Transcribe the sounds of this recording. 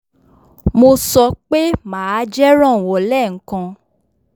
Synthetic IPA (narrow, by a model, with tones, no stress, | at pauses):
mo˧sɔ˧k͡pe˦mãː˨˦d͡ʒɛ˦ɾ̃ã˦˨wɔ˨lɛ˦˨ŋ̩˦kã˧